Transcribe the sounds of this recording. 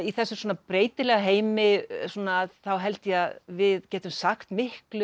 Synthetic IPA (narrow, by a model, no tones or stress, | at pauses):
iθɛsːʏsoɔːnapɾeːjt̪ɪlɛɣaɦeːjmɪsuːnaːðθawɦɛlt̪jɛaðvɪðcɛːt̪ʏmsaxt̪mɪhklʏ